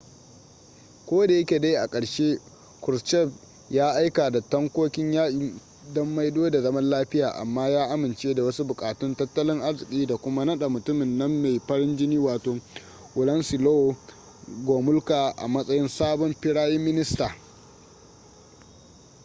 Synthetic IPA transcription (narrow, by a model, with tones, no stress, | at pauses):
kʷoː˦da˨jɐ˦kʲe˨da˦jʔa˨kʼɐ˨ɽʃeː˦ | kʊ˨ɾt͡ʃɛ˦˨b̚ | jaː˦ʔa˦jka˨da˨tɐ˦ŋkʷoː˦kʲɪ˦ɲjaː˦ʔi˨ | dɔ˦mːa˦jdoː˦da˨zɐ˦mɐ˦nlaː˦ɸɪ˦jaː˨ʔa̰˨mːaː˦jaː˦ʔa˦mɪ˨nt͡ʃeː˦da˨wɐ˦su˦bʊ˨kʼaː˨tʊ˦ntɐ˦tːɐ˦lɪ˦ŋʔa˦zɪ˨kʲʼiː˦da˨kʷʊ˦ma˦nɐ˦ɗa˨mʊ˨tʊ˦mɪ˨nːɐ˦mːe˨jɸɐ˦ɽɪ˦nd͡ʒɪ˦niː˦waː˨toː˨ | ʔʊ˨lɐ˦nsɪ˨loː˦˨ | ɡʷoː˨mʊ˦lkaː˨ʔa̰˨mɐ˦sʼɐ˦jɪ˦nsaː˦bɔ˦mɸɪ˦ɽaː˦jɪ˦mːɪ˦nɪ˦staː˨